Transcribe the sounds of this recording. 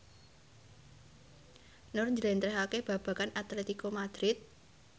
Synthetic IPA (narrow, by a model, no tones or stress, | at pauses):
nʊrɲd͡ʒəlɛnt̪ɾɛɦakeb̥a̤b̥ä̤kanat̪let̪ikomad̪̥ɾɪt̪̚